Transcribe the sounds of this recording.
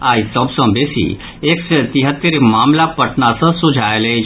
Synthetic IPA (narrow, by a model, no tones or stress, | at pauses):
aːisəbsə̃beːsḭ | eːkset̪iɦət̪ːəɾmaːmlapəʈʰnasə̃sud͡ʒʱaːele